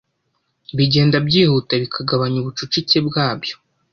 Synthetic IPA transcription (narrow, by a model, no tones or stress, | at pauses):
βiɟe̞ːndabɟiːhutaβikʰaɡaβaɲuβut͡ʃut͡ʃit͡sebɡaːbjo̞̥